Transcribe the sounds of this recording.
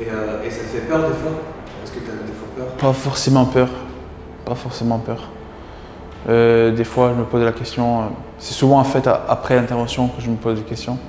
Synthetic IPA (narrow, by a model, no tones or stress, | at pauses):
eøesat̪fɛpœʁd̪efwa | ɛskət̪yavɛd̪efwapœːʁpafɔʁsemɑ̃pœʁ | pafɔʁsemɑ̃pœʁ | ød̪efwaʒəməpozlakʲɛst̪jɔ̃ø | sɛ̥suvɑ̃ɑ̃fɛt̪a̰ʔapχɛlɛ̃t̪ɛʁvɑ̃sjɔ̃kəʒəməpozlakʲɛst̪jɔ̃